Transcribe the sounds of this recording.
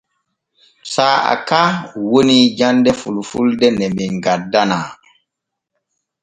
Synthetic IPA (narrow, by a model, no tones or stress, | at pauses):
saːa̰kawonid͡ʒandɛfulfṵldɛnɛmiŋɡadːanaː